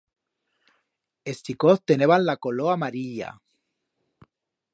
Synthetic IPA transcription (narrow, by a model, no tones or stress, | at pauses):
est̪ikoθt̪eneβanlakoloamaɾiʎa̰